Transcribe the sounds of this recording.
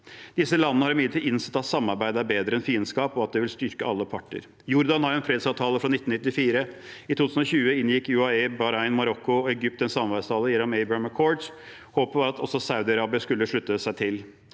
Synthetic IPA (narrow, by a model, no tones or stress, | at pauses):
d̪̥ɪsːəlɑnːəəhɑɾmʏlɪt̪ʰɪɪnsɛ̥t̪ːɑt̪sɑmːɑɾbæɪd̪əæɾbeːd̪ɾəɛnfiːənskɑːpɔɑt̪̚d̪ɛʋɪlst̪ʏɾkəɑlːəpʰɑʈːə̰ɾ | jʊɾd̪ɑnhɑɾɛnfɾeːd̪sɑːʋt̪ʰɑːləfɾɑnɪt̪ːnɪt̪ːɪfiːɾə | ɪt̪ʰuːt̪ʰʉːsn̩ɔçʉːəɪnjɪkːʉɑɛbɑɾɑɪnmɑɾɔkːʊɔɛɡʏp̚t̪ɛnsɑmnʋæst̪ʰɑːləjɛnːɔmɛɪbəməkʰɔɖs | hoːpəʋɑɾɑt̪ʰɔsɔsɑʉd̪ɪɑɾɑːbɪəskʉlːəʂɭʉt̪ːəsæɪt̪ʰɪl